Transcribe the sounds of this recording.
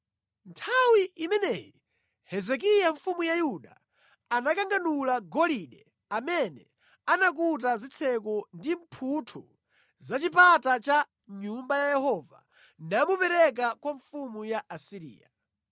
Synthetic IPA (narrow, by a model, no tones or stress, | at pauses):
ntʰawiʔimɛnɛji | hɛzɛk̬ijaɱfumujajuɗa | anakaŋɡanulaɡɔliɗɛ | amɛnɛ | anak̬ut̬azit͡sʰɛk̬ɔndimpʰutʰu | zat͡ʃipatat͡ʃa | ɲumbajajɛhɔːva̰ | namupɛɾɛk̬akwaɱfumujaʔasiɾḭːja